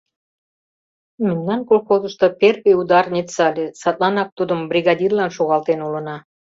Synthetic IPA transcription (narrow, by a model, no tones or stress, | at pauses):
mə̆nʲnɑnkolxozəʃt̪ŏperpeud̪ɑrnʲit͡sɑlʲesɑt̪lɑnɑk̚t̪ud̪əmbrʲiɣɑdʲirlɑnʃoɣɑlt̪enulə̆nɑ